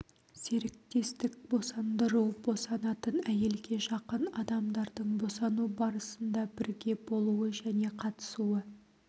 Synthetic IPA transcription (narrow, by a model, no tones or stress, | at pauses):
se̞ɾɪk̚t̪e̞st̪ɪk̚bo̞sɑnd̪əɾubo̞sɑnɑt̪ənæje̞lɡʲe̞ʒɑqənɑd̪ɑmd̪ɑɾd̪əɴbo̞sɑnubɑɾəsənd̪ɑbɪɾɡʲe̞bo̞lˠuəʒæne̞qʰɑt̪ə̥suwə